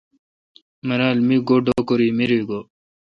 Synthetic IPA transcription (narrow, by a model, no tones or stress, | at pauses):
mɐɾaːlmiɡoɖokoɾiːmiɾiːɡo